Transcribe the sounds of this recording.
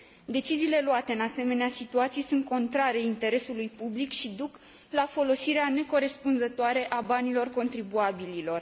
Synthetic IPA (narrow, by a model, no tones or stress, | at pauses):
d̪e̞t͡ʃiziːle̞luat̪e̞ɨnase̞me̞neasit̪uat̪sijesunt̪̚ko̞nt̪ɾaɾeint̪e̞ɾe̞sulujpublikʃid̪uk | lafo̞lo̞siɾeane̞ko̞ɾe̞spunzət̪oaɾe̞ʔabanilo̞rko̞nt̪ɾibuabililo̞r